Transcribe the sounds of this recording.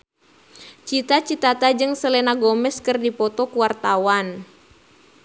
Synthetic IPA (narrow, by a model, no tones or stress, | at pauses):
t͡ʃit̪at͡ʃit̪at̪ad͡ʒɨŋsəlɛnaɡɔmɛskɨrdipɔt̪ɔkuwart̪awan